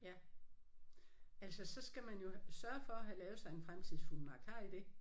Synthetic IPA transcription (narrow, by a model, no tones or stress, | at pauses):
jæ | ælsɒsɒ̽sɡ̥æmænjo̝sɶɐfɒ̽ɦælɛːʊsɑ̈ɪe̝nfʁamt͡sʰið̰ˠsfulmɑ̈kʰɑ̰̈id̥e̝